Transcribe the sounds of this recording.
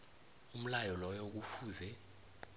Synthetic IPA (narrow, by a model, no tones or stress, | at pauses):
um̩lajɔlɔjok̬ufuːzɛ